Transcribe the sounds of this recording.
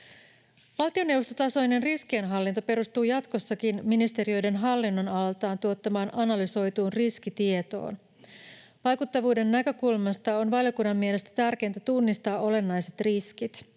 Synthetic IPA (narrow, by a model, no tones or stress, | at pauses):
ʋɑlt̪io̞newʋo̞st̪o̞t̪ɑso̞jne̞nriskienɦɑlːint̪o̞pe̞ɾust̪uːjɑt̪ko̞sːɑkinminist̪e̞ɾio̞jde̞nɦɑlːinːonɑllt̪ɑːnt̪uo̞t̪ːɑmɑːnʔɑnɑlyso̞jt̪uːnrisk̟it̪ie̞t̪o̞̰ːn | ʋɑjkut̪ːɑʋuːde̞nːækø̞kulmɑst̪ɑo̞nʋɑljo̞kunːɑmːiele̞st̪æ̥t̪ærk̟e̞jnt̪æt̪unːist̪ɑːʔo̞le̞nːɑjse̞t̪riskit̪